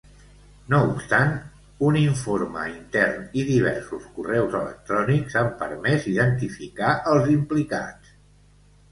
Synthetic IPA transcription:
noupst̪an | uniɱfoɾmə̰int̪ɛrniðiβ̞ɛ̰ɾsuskurɛwzələ̰k̚t̪ɾɔnikzampə̰ɾmɛziðənt̪ifikaʔəlˠzimplika̰t͡s

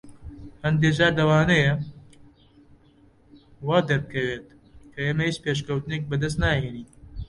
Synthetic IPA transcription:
hɐnd̪eːʒaːɾd̪ɐwaːnɐjɐ | waːd̪ɐɾ̚kʰɐweːt̪̚ | kʰɐeːmɐhiːt͡ʃpeːʃ̬kɐwt̪ɨnek̚bɐd̪ɐs̬t̪naːɦeːniː

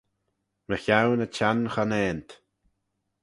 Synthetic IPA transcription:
məçawnət͡ʃʰanxanɛːnt̪

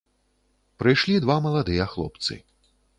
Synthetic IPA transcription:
pɾɨjʂlʲid̪vamɐlˠad̪ɨjɐxlˠɔ̰pt̪sɨ̰

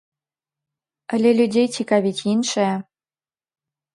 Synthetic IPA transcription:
ə̆lʲelʲudʲejt͡ɕʲikaβʲitʲinʃe

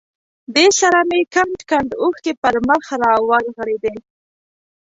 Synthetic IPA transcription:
d̪esaɾamekaɳʈkaɳɖuxkepəɾməxɾɑwaɾɣəɽed̪e

